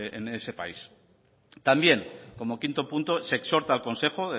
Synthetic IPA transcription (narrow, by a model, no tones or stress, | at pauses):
enese̞pa̰is | t̪ambje̞ŋko̞mo̞kint̪o̞punt̪o̞se̞ːkso̞ɾt̪aːlko̞nse̞xo̞ð